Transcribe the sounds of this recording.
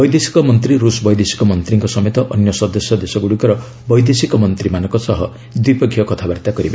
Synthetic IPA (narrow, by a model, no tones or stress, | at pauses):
bɔjd̪esi̥kɔmɔnt̪ɾiɾusbɔjd̪esi̥kɔmɔnt̪ɾiŋkɔsɔmet̪ɔʔɔnjɔsɔd̪ɔsjɔd̪esɔɡuɽikɔɾɔ | bɔjd̪esikɔmɔnt̪ɾimanɔŋkɔsɔɦɔ | d̪wipɔɡʰʱijɔkɔt̪ʰabaɾt̪akɔɾiba